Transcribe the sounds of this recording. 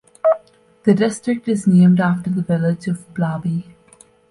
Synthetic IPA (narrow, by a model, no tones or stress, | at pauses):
d̪̥əɖɪsʈɾɪk̚ʈɪznẽːmɖæːfʈəɾd̪əʋɪlɪd͡ʒɔvblaːbi